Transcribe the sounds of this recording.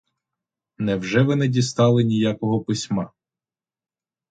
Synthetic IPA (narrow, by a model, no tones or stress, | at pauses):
nɛwʒɛʋɪnɛdʲist̪ɑlˠɪnʲijakɔɦɔpɪsʲmɑ